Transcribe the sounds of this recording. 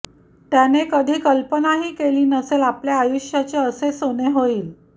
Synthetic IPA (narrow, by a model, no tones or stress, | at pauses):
t̪janekəd̪ʱiːkəlpənaɦiːkeliːnəselapljaːjuɕjat͡ɕeəsesoneɦoiːl